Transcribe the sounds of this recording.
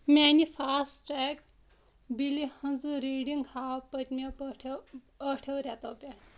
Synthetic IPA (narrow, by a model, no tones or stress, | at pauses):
mʲaːnifaːsʈɾeːk | bilihɐnzɨɾiːɖiŋɡhaːpɐt̪ʲmepʈʰ | ɐʈʰewɾʲat̪ɐːpʲa